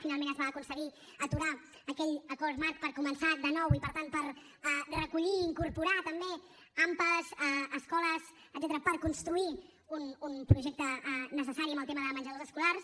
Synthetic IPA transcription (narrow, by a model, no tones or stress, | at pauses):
finalˠmẽnəzβaːkunsəɣi | ət̪uɾa | əkɛʎəkɔɾmat̪̚pəɾkumənsad̪ənɔwipəɾt̪anpəɾ | ɛrəkuʎiːŋkuɾpuɾat̪əmbe | ampəzɛːskɔləz | əd̪zɛt̪əɾəpəɾkunst̪ɾui | ununpɾuʒɛk̚t̪ənəsəsaɾiəmbəlˠt̪eməðəmənd͡ʒəlozəskulaɾs